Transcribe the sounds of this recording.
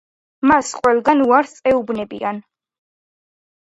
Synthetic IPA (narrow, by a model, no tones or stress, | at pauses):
masqʼwɛlˠɡanuaɾsʼɛubnɛbḭan